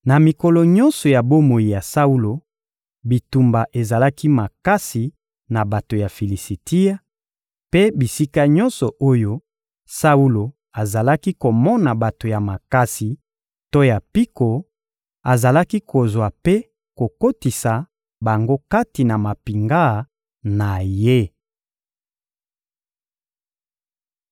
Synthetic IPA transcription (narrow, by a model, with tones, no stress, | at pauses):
na˨mi˨kɔ˨lɔ˨ɲɔ̃˦nsɔ˨ja˨bo˦mo˨i˨ja˨sa˦u˦lo˨ | bi˨tu˨mba˨ʔe˨za˨la˦ki˦ma˨ka˦si˨ | na˨ba˨to˨ja˨fi˨li˨si˨ti˦a˦ | pe˦bi˨si˦ka˦ɲɔ˦nsɔ˨ʔo˦jo˦ | sa˦u˦lo˨ | a˨za˨la˦ki˦ko˨mɔ˦na˨ba˨to˨ja˨ma˨ka˦si˨ | to˦ja˨pi˦ko˨ | a˨za˨la˦ki˦kʰo˨zwa˨pe˦ | ko˨ko˦ti˨sa˨ | ba˨ŋɡo˦ka˦ti˨na˨ma˨pi˨ŋɡa˦˨ | na˨je˦